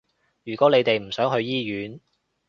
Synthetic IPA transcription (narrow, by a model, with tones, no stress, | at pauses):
jyː˨˩kwɔː˨˥le˨˧jt̪e˨jm̩˨˩sœː˨˥ŋɦɵ˧ɥjiː˥jyː˨˥n